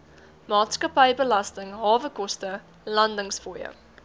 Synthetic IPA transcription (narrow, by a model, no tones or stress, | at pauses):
mɑːtskɐpəjbəlɐstəŋɦɑːvəkɔstə | lɐndəŋsfoːjə̰